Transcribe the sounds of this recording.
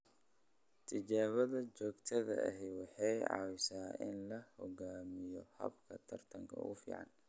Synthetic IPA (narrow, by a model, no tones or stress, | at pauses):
t̪ʰɪt͡ʃaːβɐðɐt͡ʃɔːɡt̪ʰɐðɐ̰ʔɐ̰ɦɛjwɑħɑjʕɑ̰ːwɪsaːʔɪnlɐhɔɡaːmɪjɔhɐ̰bkʰɐt̪ʰɐrt̪ʰɐŋkʰɐ̰ʊfḭːʕɑ̰n